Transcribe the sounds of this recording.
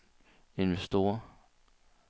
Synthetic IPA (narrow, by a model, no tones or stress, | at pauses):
e̝nʋesd̥o̝̰ːɐ